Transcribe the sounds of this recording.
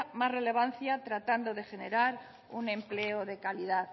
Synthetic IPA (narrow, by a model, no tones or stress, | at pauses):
mazre̞le̞β̞an̟θjat̪ɾat̪and̪oðe̞xe̞neɾaɾ | unẽ̞mpleoðe̞kaliðað